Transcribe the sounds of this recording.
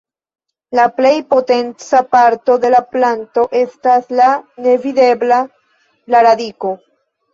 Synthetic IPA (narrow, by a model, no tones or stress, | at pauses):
laple̞jpo̞te̞nt͡sapaɾto̞de̞laplanto̞ʔe̞staslane̞vide̞bla | laɾadiko̞